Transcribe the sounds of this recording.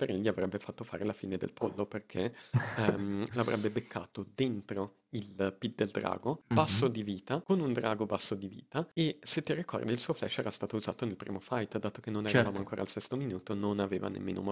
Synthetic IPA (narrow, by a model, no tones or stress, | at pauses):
p̪eɾiʎːiavɾɛbːefat̪ːofaːɾelafiːned̪ḛlpolːoperkʰe | lavɾʔɛ̰bːebekʰːa̰ːt̪od̪ent̪ɾo | ilpit̪̚ːd̪eld̪ɾa̰ːɡobasːod̪iviːt̪akonund̪ɾaːɡobasːod̪ivḭːt̪aeset̪ːirikɔ̰rd̪ilsuːoflɛ̰ʃːɛːɾast̪aːt̪ouza̰ːt̪onelpɾḭːmofajt̪d̪aːt̪ok̟enːonɛɾavaːmoaŋkoːɾa̰lsɛst̪ominuːt̪ononaveːva̰nḛmːḛno̰m